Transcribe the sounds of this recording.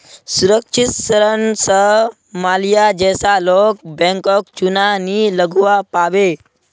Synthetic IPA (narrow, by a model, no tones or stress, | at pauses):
suɾəkʂit̪səɾənsə | malijad͡ʑɛsalok̚bɛ̃ŋkɔk̚t͡ʃunaniləɡʋapaʋe